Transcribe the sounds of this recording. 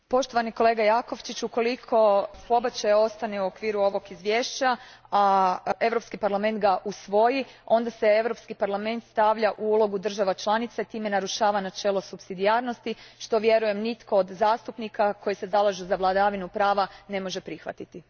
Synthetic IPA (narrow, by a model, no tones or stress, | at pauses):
po̞ʃt̪oʋaniko̞lˠe̞ːɡajako̞ʋt͡ʃit͡ɕuko̞likʰo̞po̞bat͡ɕajo̞st̪aneuo̞kʋiːɾuo̞ʋo̞ɡizʋje̞ːʃt͡ɕaae̞ʋɾo̞pskipaɾlame̞nt̪ɡaʔusʋo̞jio̞nd̪ase̞e̞ʋɾo̞pskipaɾlˠame̞nt̪st̪aʋʎaʔuulo̞ɡud̪r̩ʒaʋat͡ʃlˠanit̪sait̪iːme̞naɾuʃaːʋanat͡ʃe̞ːlˠo̞supsid̪iaɾno̞st̪iʃt̪o̞ʋje̞ɾuje̞mnit̪ko̞ːd̪zaːst̪upnikʰako̞jisezalˠaʒuzaʋlˠad̪aʋinupɾaːʋane̞mo̞ʒe̞pɾixʋa̰t̪it̪i